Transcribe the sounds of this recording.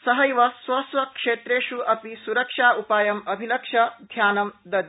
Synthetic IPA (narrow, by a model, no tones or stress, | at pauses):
sɐɦɐjʋɐsʋɐsʋɐkʂeːt̪ɾeːʃuʔɐpisuɾɐkʂaːupaːjɐmɐbʱilɐkʂɐd̪ʱjaːnɐmd̪ɐd̪